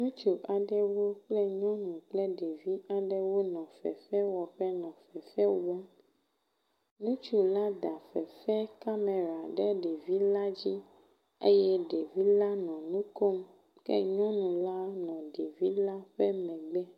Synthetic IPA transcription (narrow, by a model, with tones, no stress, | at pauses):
nũ˦t͡ʃu˨ʔa˨ɖɛ˦wo˦k͡plɛ˦ɲɔ̃˦nũ˨k͡plɛ˦ɖe˨vi˦a˨ɖɛ˦wo˦nɔ̃˨fɛ̰˨fɛ˦wɔ˨ɸɛ˦nɔ̃˨fɛ˨fɛ˦wɔ˦ | nũ˦t͡ʃu˨la˦d̪a˨fɛ˨fɛ˦ka˦me˨ɾa˨ɖɛ˦ɖe˨vi˦la˦d͡ʑi˦ | ḛ˦jɛ˦ɖe˨vi˦la˦nɔ̃˨nũ˦ko˦m | kɛ̰˦ɲɔ̃˦nũ˨la˦nɔ̃˨ɖe˨vi˦la˦ɸɛ˦mɛ̃˨ɡ͡bɛ˦